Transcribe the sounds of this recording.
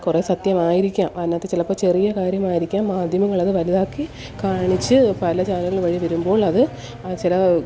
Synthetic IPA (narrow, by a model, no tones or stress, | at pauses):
kure̞ːsɐt̪jɐmaːjiɾikʲːaːmɐnːɐt̪ːet͡ɕilɐpːoːt͡ɕe̞rijɐkaːɾjɐmaːjiɾikʲːaːmːaːd̪ʱjɐmɐŋːɐɭɐðɨʋɐliðaːkːi | kaːɳit͡ɕːɨpɐlɐt͡ɕaːlɐŋːɐɭʋɐɻiʋɐɾumbo̞ːɭɐðɨ | t͡ɕilɐ